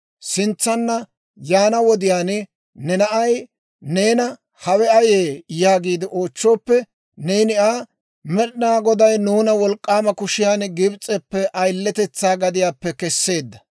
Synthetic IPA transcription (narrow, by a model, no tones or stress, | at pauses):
sɪnt͡sːɐnːɐ | jaːnɐwɔd̪ɪjaːn | nɛnɐʔɐj | ne̞ːnɐ | hɐwɛɐjeːjaːɡiːd̪ɪʔo̞ːt͡ʃːoːpːɛ | neːnɪʔaː | mɛɗnaːɡɔd̪ɐjnuːnɐwɔlkʼːaːmɐkʊʃɪjaːnɡɪbt͡sʼɛpːɛʔɐjlːɛt̪ɛt͡sːaːɡɐd̪ɪjaːpːɛkɛsːe̞ːd̪ːɐ̥